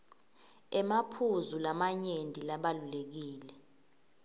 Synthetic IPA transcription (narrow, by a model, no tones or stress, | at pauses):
ɛmapʰuzulamaɲendʱʼilaɓalulek̬iːlɛ